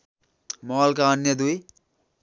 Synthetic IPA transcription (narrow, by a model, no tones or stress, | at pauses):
mɔlkaənjʌd̪ui